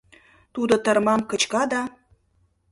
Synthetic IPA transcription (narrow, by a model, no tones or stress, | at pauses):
t̪ud̪ŏt̪ə̆rmɑmkə̆t͡ɕkɑd̪ɑ